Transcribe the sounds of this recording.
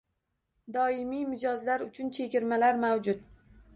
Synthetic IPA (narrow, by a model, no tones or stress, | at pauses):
d̪ɒɪmijmɪd͡ʒɒzlaɾʊt͡ʃʰʊnt͡ʃʰekʲɪɾmalaɾmawd͡ʒʊt̪